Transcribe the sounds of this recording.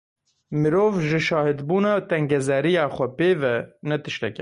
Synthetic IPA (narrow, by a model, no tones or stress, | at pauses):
mɨɾoːvʒɪʃɑːhɪd̪buːnɑːt̪ɛŋɡɛzɛɾijɑːxʷɛpeːvɛnɛt̪ɨʃt̪ɛkɛ